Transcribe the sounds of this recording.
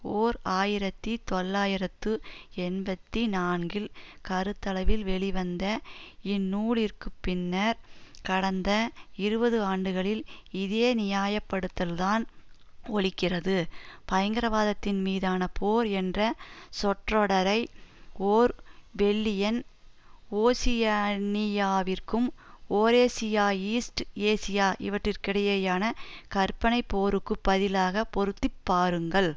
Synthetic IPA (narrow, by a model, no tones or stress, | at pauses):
oːɾaːjɪɾɐt̪ːit̪ɔlːaːjɪɾɐt̪ːɯɛnbɐt̪ːinaːnɡɪlkɐɾɯt̪ːɐlɐʋɪlʋɛɭiʋɐnd̪ɐɪnːuːɭɪrkɯpːɪnːɐɾkɐɽɐnd̪ɐɪɾɯbɐðɯaːɳɖɯɣɐɭɪlɪðeːnɪjaːjɐpːɐɽɯt̪ːɐlt̪aːn | ɔɭɪkːɪrɐðɯpɐjɐŋɡɪɾɐʋaːðɐt̪ːɪnmiːðaːnɐpʰoːɾɛndrɐsɔʈrɔɽɐɾɐɪoːɾbɛlːɪjɐn | oːsɪjɐnɪjaːʋɪrkɯmoːɾeːsɪjaːiːsʈeːsɪjaːʔɪ̰ʋɐʈrɪrkɪɽɐjɐjaːnɐkɐrpːɐnɐɪpːoːɾɯkːɯpːɐðɪlaːɣɐpɔɾɯt̪ːɪpːaːɾɯŋɡɐɭ